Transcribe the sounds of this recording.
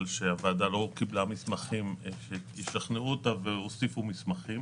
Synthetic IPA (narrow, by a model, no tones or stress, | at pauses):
lʃeaveaːdalo̞kiblamismaχimʃeiʃlaχneuotaveosifumismaχim